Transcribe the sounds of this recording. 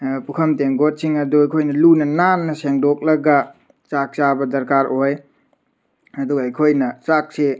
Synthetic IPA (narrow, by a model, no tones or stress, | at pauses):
pukʰɐmteŋɡot̚siŋɐduɐjkʰojnɐlunɐnanːɐseŋdok̚lɐɡa | t͡ʃak̚t͡ʃabɐdɐɾkaɾoj | ɐduɡɐjkʰojnɐt͡ʃak̚se